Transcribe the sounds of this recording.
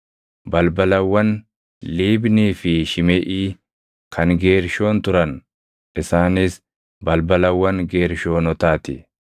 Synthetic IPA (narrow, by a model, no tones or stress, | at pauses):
bɐlbɐlɐwːɐn | liːbniːfɪʃɪmɛʔiː | kʰɐŋɡe̞ːɾʃo̞ːnt̪ʊɾɐn | ʔɪsaːnɪs | bɐlbɐlɐwːɐŋɡeːɾʃo̞ːnɔt̪aːt̪ɪ